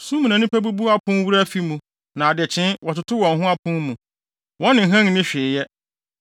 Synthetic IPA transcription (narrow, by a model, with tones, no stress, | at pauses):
sũ˦mĩ˨nã˨nɪ̃˦pʰæ˦bu˦bu˦a˦pʰʊ̃˦n˦wu˦ɾa˦fi˦mũ˨ | nã˨a˨dɪ˨t͡ɕʰɪ̃˦nwɔ˨tʊ˨tʰʊ˦wɔ̃˨nɦʊ̃˦a˦pʰʊ̃˦mũ˨ | wɔ̃˦nɪ̃˨ɦã˦ŋ˨nɪ̃˦ɕᶣɪː˨jɛ˦